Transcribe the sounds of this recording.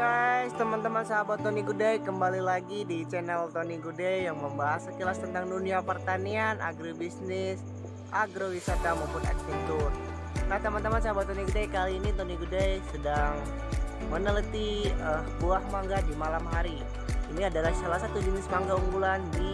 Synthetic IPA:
ɡajst̪əmant̪əmansaɦabat̪ːoniɡudajkəmbalilaɡidit͡ʃɛnɛlt̪oniɡudajjaŋməmbaɦasəkilast̪ənt̪aŋduniapərt̪anianʔa̰ɡɾibisnɪs | ʔaɡɾowisat̪amapʊnɛ̰ksint̪ur | nat̪əmant̪əmansaɦabat̪oniɡudajkaliːnit̪oniɡudajsədaŋ | mənələt̪iəbuahmaŋɡadimalamɦaɾi | iniadalahsalahsat̪ud͡ʒənɪspaŋɡauŋɡulandi

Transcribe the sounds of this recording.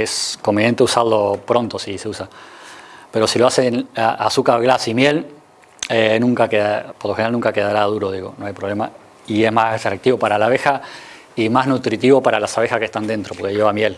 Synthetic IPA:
esko̞mbenje̞nt̪eusaðlo̞pɾo̞nt̪o̞sise̞usa | pe̞ɾo̞siloasenaʔasukaɣlasimje̞l | enũŋkakeðapoɾloxenɾalnuŋkake̞ðaɾað̞uɾo̞ðiɣo̞̰noajpɾoβle̞ma | ie̞zmasert̪ɾak̚t̪iβo̞paɾalaβe̞xa | imaznut̪ɾit̪iβo̞paɾalasaβ̞exaske̞ht̪and̪e̞nt̪ɾo̞po̞ɾkeʝe̞βamje̞l

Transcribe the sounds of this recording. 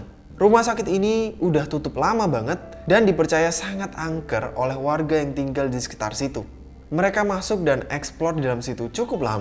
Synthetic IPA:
rumahsakɪt̪iniudaht̪ut̪ʊp̚lamabaŋət̪̚ | dandipərt͡ʃajasaŋat̪aŋkəro̰lɛhwarɡajaŋt̪iŋɡaldisə̥ki̥t̪a̰rsit̪u | məɾekamasʊk̚danɛksplɔrdalamsit̪ut͡ʃukʊp̚la̰ma

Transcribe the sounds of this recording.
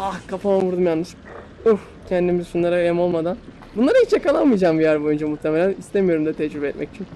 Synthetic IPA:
ahkʰapamamvuɾd̪umjanːɯʃ | uh | cʰɛnd̪imizʃunlˠaɾaemo̞lˠmad̪an | bunlˠaɾɯhit͡ʃjakalˠanmɯjd͡ʒaːmbijæɾbo̞jund͡ʒamuht̪ʰemelʲænist̪ʰemijo̞ɾumd̪ɛt̪ʰɛd͡ʒɾybɛt̪̚mɛ̰ci̥t͡ʃʰin

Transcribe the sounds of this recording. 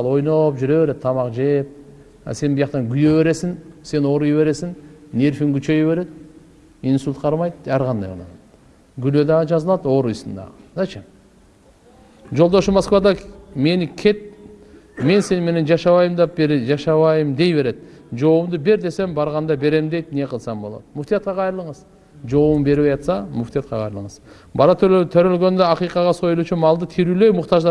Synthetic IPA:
ɑlˠo̞jnɑpʒʏɾe̞βe̞ɾed̪̚t̪ʰɑmɑqʒejp̚ | ɑ̰se̞nbəjɑq̚t̪ɑŋɡʲʏje̞βe̞ɾe̞sɪŋse̞no̞ɾujβe̞ɾe̞sɪŋne̞ɾfiŋɡʲyt͡ʃe̞jeβe̞ɾe̞d̪ɪ | insulʲt̪qʰɑɾmɑjd̪̚æɾʁɑnd̪ɑ̰jʁo̰nɑ̰nt̪ | ɡʲʏled̪ɑʒɑzəlˠɑd̪o̞ɾujsənd̪ɑ̰nɑt͡ʃe | ʒolˠd̪oʃəmaskvɑd̪ɑme̞nɪkʲʰe̞t̪̚ | me̞nse̞nme̞ne̞nd͡ʒɑʃɑβɑjɯmd̪ɑpbeɾd͡ʒɑʃɑβɑjɯmd̪e̞jbe̞ɾe̞d̪d͡ʒo̞umd̪ube̞ɾd̪e̞se̞mbɑɾʁɑnd̪ɑbe̞ɾe̞md̪e̞jt̪ne̞qʰəlˠsɑmbo̞lˠo̰t̪mʊft̪ijɑt̪̚qɑqʰɑjɾɯlˠəɴəz | d͡ʒo̞wumbe̞ɾβejɑt̪sɑmʊft̪ijat̪̚qɑqʰɑjɾɯlˠəɴəz | bɑɾɑt̪ʰt̪ʰøɾølɡø̞nd̪øɑqijqɑʁɑso̞julˠut͡ʃumɑlˠd̪ɯt̪ʰiɾylø̞jmʊqt̪ɑʒd̪ɑ

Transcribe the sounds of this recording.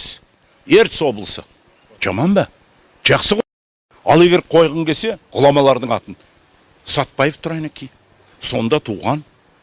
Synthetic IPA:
s | e̞ɾt̪ɪswo̞bəlˠəsə̰ | ʒ̥ɑmɑnbɑ | ʒ̥ɑqsəʁ | ɑ̰lˠe̞ɡʲe̞ɾqʰo̞jʁəɴkʲʰe̞se̞ʁʊlˠɑmɑlˠɑɾd̪əɴɑt̪ən | sɑt̪̚pɑjəft̪ʰʊɾɑjnækʲej | so̞nd̪ɑt̪ʰuʁɑn

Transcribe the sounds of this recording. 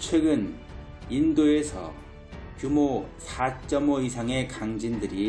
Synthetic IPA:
t͡ɕʰwe̞ɡɯn | indoesʰʌ̰ | kjumosʰat͡ɕ͈ʌmoisʰaŋe̞kaŋd͡ʑindɯɾi

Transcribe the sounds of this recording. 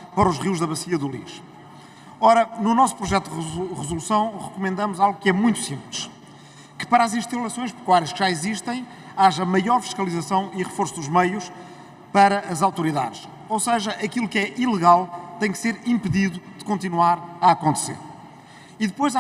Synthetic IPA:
pɐɾɔuʒʁiwʒðɐβɐsiɐðulˠḭʃ | ɔɾɐnunɔsu̥pɾuʒɛt̪ud̪ʁɨzulˠusɐ̃w̃ʁɨkumẽnd̪ɐmuzalˠɣukɛmũj̃t̪u̥sĩmplˠɨʃ | kɨ̥pɐɾazĩʃt̪ɐlˠɐsõj̃ʃpɨ̥kwaɾiɐʃkʒ̥aiziʃt̪ɐ̃j̃ | aʒɐmɐjɔɾfi̥ʃkɐlˠizɐsɐ̃w̃iʁɨfoɾsuðuʒmɐjuʃ | pɐɾɐːzawt̪uɾiða̰ðʃ | owseʒɐʔɐkilˠukɛʔilˠɨɣalˠt̪ɐ̃j̃kseɾĩmpɨðiðuðɨkõnt̪̬inwaɾɐɐkõnt̪sḛɾ | iðɨpojz

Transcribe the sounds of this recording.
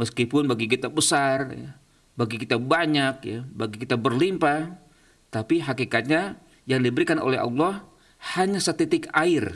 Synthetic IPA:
məskipʊnbaɡik̬it̪abəsarja̰ | baɡikit̪abaɲak̚ja̰baɡikit̪abərlimpa | t̪apiɦakikat̪̚ɲa | jaŋdibəɾikanʔo̰lɛɦɑ̰lːɑh | haɲasat̪it̪ɪkaɪr

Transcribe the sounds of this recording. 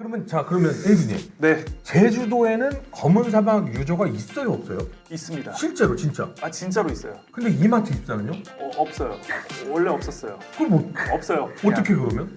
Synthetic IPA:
kɯɾʌmjʌnt͡ɕakɯɾʌmjʌnebuɲḛne̞t͡ɕe̞d͡ʑudoe̞nɯnkʌmɯns̬ʰamaɡjud͡ʑʌɡais͈ʌjoʌp̚s͈ʌjo | is͈ɯmɲidaɕʰiɭt͡ɕ͈e̞ɾot͡ɕint͡ɕ͈a̰at͡ɕint͡ɕ͈aɾois͈ʌjokɯnde̞imatʰeis͈ʌnɯɲoʌʌp̚s͈ʌjowʌɭːeʌp̚s͈ʌs͈ʌjokɯʌmotʌp̚s͈ʌjoʌt͈ʌkʰe̞kɯɾʌmjʌn

